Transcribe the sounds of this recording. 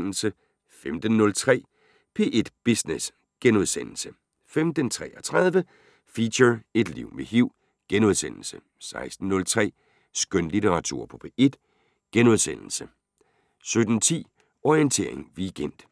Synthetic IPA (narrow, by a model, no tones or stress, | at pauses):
n̰l̩sə | femd̥n̩ːɔ̽lt͡sʰʁɛ̰ː | pʰe̝ːʔe̝d̥b̥isnes | ɡ̥enuðˠsen̰l̩sə | femd̥ənt͡sʰʁɛ̰ːɒt͡sʰʁaðˠʋə | fiɕɐe̝d̥liʊ̰meɦiʊ̰ | ɡ̥enuð̞ˠsen̰l̩sə | sɑ̈ɪsd̥n̩ːɔ̽lt͡sʰʁɛ̰ː | sɡ̥ønlit͡sʰeʁɑ̈t͡sʰṵɐ̰pʰɒ̥̽pʰe̝ʔe̝d̥ | ɡ̥enuðˠsen̰l̩sə | sød̥n̩t͡sʰḭː | ɒient͡sʰe̝ɐ̰e̝ŋʋiɡ̥en̰d̥